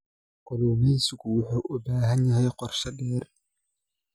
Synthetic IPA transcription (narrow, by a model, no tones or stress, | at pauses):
kɔlɔmiːsɪkʊwʊħuːʔʊbaːɦɐnjɐɦɛjqɔrʃɐdɛːr